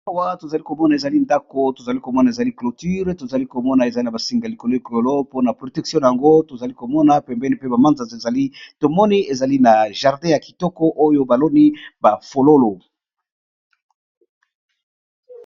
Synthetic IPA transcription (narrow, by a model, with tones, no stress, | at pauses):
a˦wa˦to˨za˨li˦ko˨mɔ˦na˨e˨za˨li˦nda˦ko˦to˨za˨li˦ko˨mɔ˦na˨e˨za˨li˦klo˨ty˦ʁto˨za˨li˦ko˨mɔ˦na˨e˨za˦i˦na˨ba˨si˨ŋɡa˨li˨ko˨lo˦i˨klo˨lo˦po˦na˨pʁo˨tɛ˨ksjɔ̃˦˨a˨ŋɡo˦to˨za˨li˦ko˨mɔ˦na˨˦pɛ˨mbɛ˦ni˦pe˦ba˨mã˦nza˨ze˨za˨li˦to˨mɔ˦ni˦e˨za˨li˦na˨ʒa˨ʁdɛ̃˦ja˨ki̥˨tɔ˦kɔ˦ʔo˦jo˦ba˨lo˦ni˦ba˨fo˨lo˦lo˨